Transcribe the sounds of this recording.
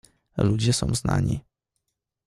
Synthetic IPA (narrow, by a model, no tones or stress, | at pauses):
lud͡ʑɛsɔ̃w̃zna̰ɲi